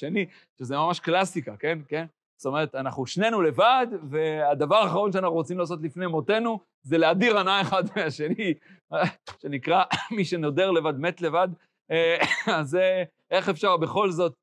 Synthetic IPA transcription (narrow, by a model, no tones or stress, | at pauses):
ʃeni | ʃezemamaʃklasikake̞nken | st̪o̞me̞ʁ̞et̪anaχnuʃne̞nule̞vad̪ve̞ad̪avaʁaχaʁo̞nʃeanaχuʁot͡simlaːs̬o̞t̪̬lifne̞mo̞t̪e̞nu | zeleadiʁanaeχad̪meaʃe̞ni | ʃe̞nikʁamiʃe̞no̞de̞ʁlevad̪me̞t̪le̞vad̪ | aze | ʔe̞χe̞fʃaʁbe̞χo̞lzo̞t̪̚